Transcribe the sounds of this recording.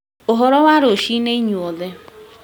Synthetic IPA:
oɦɔɾɔwaɾoʃineiɲuoðe

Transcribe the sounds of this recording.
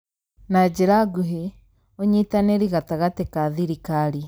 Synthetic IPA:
nad͡ʒeɾaɡuɦe | oɲitaneɾiɣataɣatekaðiɾikaɾi

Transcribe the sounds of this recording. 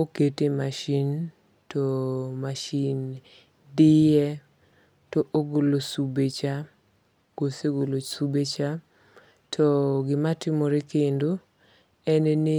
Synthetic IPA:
oketemaʃin | tɔmaʃin | dɪjɛ | tɔʔoɡolosubet͡ʃa | ɡ̥oseɡolosubet͡ʃa | tʰɔɡɪmatɪmoɾekendo | ɛnenɪ

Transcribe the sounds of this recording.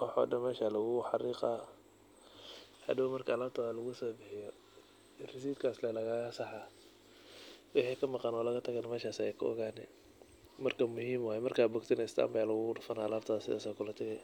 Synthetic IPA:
wɑħa̰dɐmɛːʃalɐɣʊħɑriːqa | hɐ̰d̪ɐmɐrkʰɐːlaːɾt̪ʰaːðɐlɐɣʊsɔːbɪħɪjɔ | rɪs̬iːd̪kʰaːslɛlɐɣaːɣɐsɑħa | wʊħiːkʰɐmɑqɑnɔːlɐɣɐt̪ʰɐɣanɐmɛːʃaːsɛjkʰɐɔ̰ɣaːnɛ̰ | mɐrkʰɐmʊhiːmwhɛjmɐrkaːbʊɡt̪ʰɪnɛɪst̪ʰa̰ːmbajalɐɣʊɣɖʊfɐnaːlaːɾt̪ʰaðɐsɪ̰ðaːsakʰʊlɐt̪ʰɐɣɛj

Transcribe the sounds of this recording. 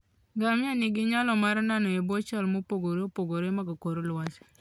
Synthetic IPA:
ɡamanɪɡɪɲalɔmaɾnanɔebot͡ʃalmopoɡoɾopoɡoɾemaɡakoɾolwat͡ʃ

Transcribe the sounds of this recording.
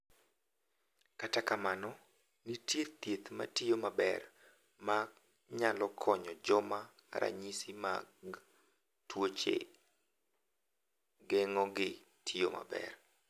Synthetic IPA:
katakamanɔ | nitjet̪jet̪ma̰tijomabɛ̰r | ma | ɲalɔkʰɔɲɔd͡ʒɔma | ɾʔa̰ɲisima̰ | twot͡ʃḛ | ɡɛŋɔɡɪ | tʰijoma̰bɛ̰r

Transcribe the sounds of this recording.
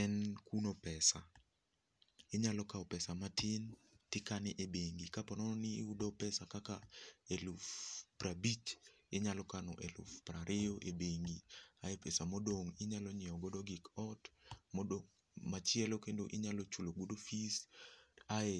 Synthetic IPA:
ɛnkunopɛsa | ɪɲalɔkaɔpɛsamatʰɪn | tɪkanɪʔebeŋɡikapɔnɔnɪːudɔpɛsakakaelufprabit͡ʃ | ɪɲalɔkanɔ̰ʔelṵfpraɾʔejoʔebeŋɡiaepɛsamodoŋɪɲalɔɲɪɔɡɔdɔɡɪkɔtmɔdo | mat͡ʃɪɛlokendoʔɪɲalɔt͡ʃuloɡodofis | ae

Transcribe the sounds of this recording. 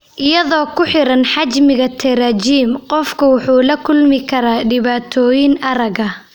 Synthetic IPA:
ʔɪjɐðɔːkʰʊħɪɾɐnħɑt͡ʃmɪɣɐt̪ʰɛɾɐt͡ʃiːmqɔfkʰɐwɑħuːlɐkʰʊlmɪkʰɐɾaːɖɪβaːt̪ʰɔːjɪnʔɐɾɐɣɐ

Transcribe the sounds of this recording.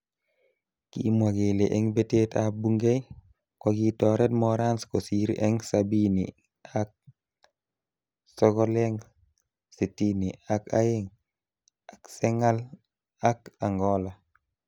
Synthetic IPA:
kḭmwaɡeleʔeŋbetetabuŋɡej | koɡitɔɾetmɔɾanskosiɾḛŋsabinḭ | ak̚ | sɔɡɔleŋ | setiniaka̰jeŋ | akseŋal | akaŋɡɔla

